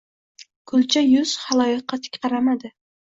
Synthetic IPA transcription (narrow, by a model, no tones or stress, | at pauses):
kʰʊlˠt͡ʃʰajʊz̥hɑlˠɒjɪqʰːɑt̪ʰɪ̥kʲqʰɑɾamad̪ɪ